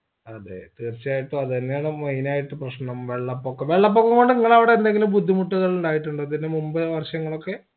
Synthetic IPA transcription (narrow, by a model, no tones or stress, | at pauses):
ɐðḛt̪iːrt͡ɕːiaːjiʈːuɐðenːejaːɳɨmɐjnaːjiʈːɨprɐɕnɐmʋe̞ɭːɐpːokːɐmʋe̞ɭːɐp̬ːokːɐŋɡo̞ɳɖɨniŋːɐɭɐʋiɽeːnd̪e̞ŋɡilumbud̪ʱːimuʈːuɣɐɭuɳɖaːjiʈːuɳɖɨt̪ɐnːemumbɐʋɐrɕɐŋːɐɭo̞kːe̞